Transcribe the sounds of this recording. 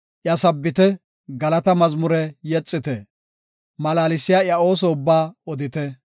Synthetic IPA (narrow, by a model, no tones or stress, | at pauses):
ʔjɐsɐbːɪt̪ɛ | ɡɐlɐt̪ɐmɐzmʊɾɛjɛt͡sʼːɪt̪ɛ | mɐlaːlɪsːɪjaːjɐo̞ːsɔʊbːaːɔd̪ɪt̪ɛ